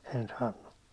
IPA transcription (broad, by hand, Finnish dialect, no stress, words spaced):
en sɑːnːu